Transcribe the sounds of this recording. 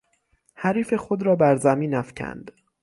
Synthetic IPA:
hæɾiːfe̞xod̪ɾɒːbæɾzæmiːnæfcʰæ̰nd̪̥

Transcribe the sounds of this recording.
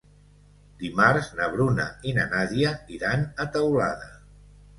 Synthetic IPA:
d̪imaɾznəβ̞ɾunə̰inənaðiəiɾanət̪əwla̰ðə

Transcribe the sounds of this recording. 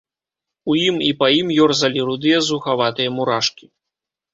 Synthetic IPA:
ujimipɐjimjɔrzɐlʲiɾud̪ɨjɐzuxavat̪ɨjɐmuɾaʂkʲi

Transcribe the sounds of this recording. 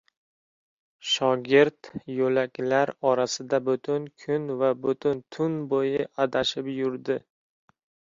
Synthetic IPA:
ʃɒɡʲɪɾt̪jɵlakʲlaɾɒɾasɪd̪abʊt̪ʰʊnkʲʰʊnvabʊt̪ʰʊnt̪ʰʊnbojɪʔad̪aʃɪpjʊɾd̪ɪ

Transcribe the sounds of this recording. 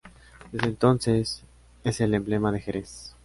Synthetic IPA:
d̪ezðent̪o̞nses | ese̞le̞mble̞maðe̞xeɾe̞s

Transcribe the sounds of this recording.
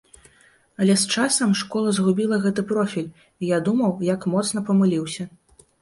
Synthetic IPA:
ɐlʲɛst͡ʂasɐmʂkɔlˠɐzɣubʲilˠɐɣɛt̪ɨpɾɔfʲilʲ | ijad̪umɐwjakmɔt̪sn̪ɐpɐmɨlʲiwsʲɐ

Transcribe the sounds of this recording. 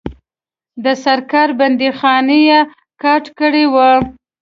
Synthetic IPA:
d̪əsaɾkɑɾband̪ixɑneja | kɑʈkəɽewə

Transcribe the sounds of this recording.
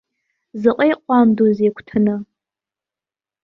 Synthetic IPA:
zɨqʷʼejqʷʼamdozekʷʰtʰɨnɨ

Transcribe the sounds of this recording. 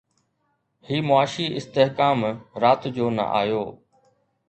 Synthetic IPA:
hiːmʊaːʃiːɪst̪eɦkaːmɾaːt̪d͡ʑoːnɐ̰ʔa̰ːjoː

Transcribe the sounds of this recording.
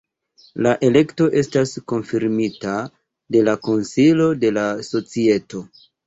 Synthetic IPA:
laʔe̞le̞kto̞ʔe̞stasko̞nfiɾmita | de̞lako̞nsilo̞de̞laso̞t͡sie̞to̞

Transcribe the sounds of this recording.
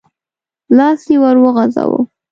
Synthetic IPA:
lɑsjewaɾwəɣaza̰wə̰

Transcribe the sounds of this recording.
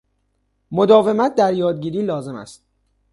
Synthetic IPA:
mo̞d̪ɒːve̞mæt̪̚ʰd̪æɾjɒːd̪̚ɟiːɾiːlɒːze̞mæ̰st̪̚

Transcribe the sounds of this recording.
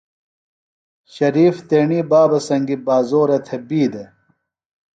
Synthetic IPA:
ɕɐɾiːft̪eːɳiːbaːbɐsɐŋɡibaːzoːɾet̪ʰebiːd̪e

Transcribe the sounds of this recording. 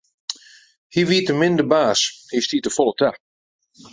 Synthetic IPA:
hiʋiətəmɪndəbaːshistitəfɔlˠətʰa

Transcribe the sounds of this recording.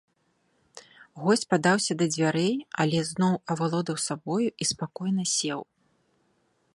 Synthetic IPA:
ɣɔsʲt͡sʲpad̪awsʲɐd̪ɐd͡zʲvʲaɾɛja̰lʲɛznɔwɐvalˠɔd̪ɐwsabɔjuʔispakɔjnɐsʲɛw

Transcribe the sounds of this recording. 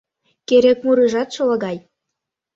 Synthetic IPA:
keɾekmuɾɯʒɑt̪ʃɤ̆lɑ̆ɣɑj

